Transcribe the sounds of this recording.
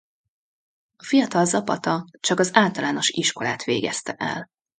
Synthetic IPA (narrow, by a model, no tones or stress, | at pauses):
ɒfijɒt̪ɒlzɒpɒt̪ɒt͡ʃɒkɒzaːlt̪ɒlaːno̞ʃiʃko̞laːt̪ʋeːɡɛst̪ɛʔɛ̰l